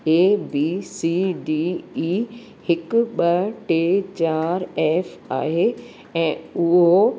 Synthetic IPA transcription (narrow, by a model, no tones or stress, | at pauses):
eːbiːsiːɖiːiː | hɪkʊɓɐʈeːt͡ɕaːɾɛːfa̰ːɦeː | ɛ̃ːʊɦo